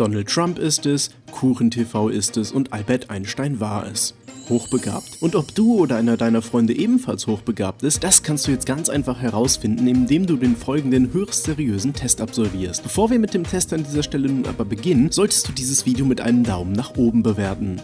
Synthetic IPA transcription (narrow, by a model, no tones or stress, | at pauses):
d̥ɔnəl̩tːʁ̥ampɪstɛs | kʰuːχn̩tʰefaʊʔɪstɛsʊntʔalbɛɐtʔa̰ɪnʃtaɪnvaːɐʔɛ̰shoːxb̥əɡa̰ːptʔʊntɔpd̥uːoːdɐʔaɪnɐdaɪnɐfʁ̥ɔʏndəʔeːbm̩falshoːxb̥əɡa̰ːp̚tɪst̚d̥askʰanstd̥uːjɛt͡stɡ̥ant͡sʔa̰ɪnfaχhɛʁaʊsfɪndn̩ɪmdeːmduːdeːnfɔlɡŋ̩dənhøːʁsz̥eʁiøːzn̩tʰɛstapz̥ɔlviːɐstb̥əfoːɐviːɐmɪt̚d̥eːmtʰɛstandiːzɐʃtɛlənuːnʔa̰ːbɐbəɡɪnənz̥ɔltə̥std̥uːdiːzəsv̥iːdeomɪtʔa̰ɪnəmdaʊmənaːχʔoːbm̩bəvɛːɐtn̩